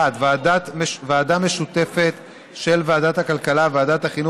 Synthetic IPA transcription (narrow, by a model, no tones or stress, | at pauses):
ad̪vedatmevaːdame̞ʃut̪e̞fe̞t̪ | ʃe̞lveadat̪hakalkalavaadat̪haχinu